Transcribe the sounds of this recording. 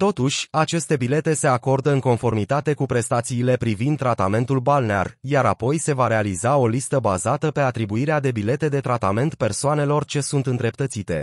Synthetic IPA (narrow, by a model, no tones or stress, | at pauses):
t̪o̞t̪uʃʲat͡ʃe̞st̪e̞bile̞t̪e̞se̞ako̞rd̪əɨŋko̞nfo̞rmit̪at̪e̞kupɾe̞st̪at̪siːle̞pɾivind̪̚ːɾat̪ame̞nt̪ulbalnea̰rjaɾa̰po̞jse̞vaɾe̞alizao̞list̪əbazat̪əpe̞at̪ɾibuiɾead̪e̞bile̞t̪e̞d̪e̞t̪ɾat̪ame̞nt̪pe̞rsoane̞lo̞rt͡ʃe̞sunt̪ɨnd̪ɾe̞p̚t̪ət̪sit̪e̞̰